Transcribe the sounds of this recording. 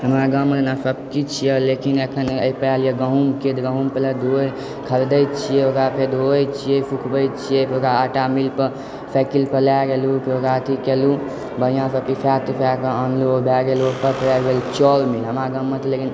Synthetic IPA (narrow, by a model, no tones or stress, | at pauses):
ɦəmɾaɡəmət̪nasəb̚kit͡ʃʰijɛlekinekʰənəipɛaljeɡəɦũmked̪ɡəɦũmpəlad̪ʱoj | kʰəɾd̪əjt͡ʃʰijɛokɾapʰed̪ʱojt͡ʃʰijepʰukʰbəjt͡ʃʰijɛpʰeokɾaːʈamilpəɾ | pʰɛkilpʰəlaɡelupʰeokɾat̪ʰikelu | bəɦijãsəpipʰat̪ipʰaəənlobʱaɡelopəpəjaɡelut͡ʃɔlmilɦəmɾaɡəmːət̪lekin